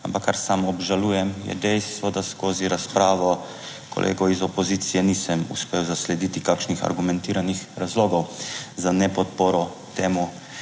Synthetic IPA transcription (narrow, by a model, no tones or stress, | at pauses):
ampakːaɾsamɔbʒalujɛmjɛ̰d̪ɛjst̪ʋɔd̪askoːziɾaspɾaːʋɔ | kɔ̰lʔḛːɡɔizɔpɔziːt̪sijɛniːsəmṵspeːwzaslɛd̪it̪ikakʃnixa̰ɾɡumɛ̃nt̪iːɾanixɾazloːɡɔwzanɛpɔt̪poːɾɔ | t̪eːmu